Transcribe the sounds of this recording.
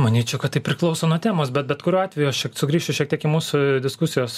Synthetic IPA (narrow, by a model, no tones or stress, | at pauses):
mɐnʲiːt͡ʃʲɛʊkɐt̪t̪ːɐɪpʲɾʲɪklˠɒʊsoːnuɔt̪ʲæːmoːsbʲɛt̪̚bʲɛt̪kʊɾʲuːɑːtʲʋʲɛjuɐʃʃʲiɛksʊɡɾʲiːʃʲt͡ʃʲʊʃʲiɛktʲiɛkɪmuːsʊd̪ʲɪskʊsʲɪjoːs